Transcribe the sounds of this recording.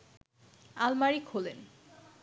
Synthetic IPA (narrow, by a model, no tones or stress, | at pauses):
almaɹikʰolen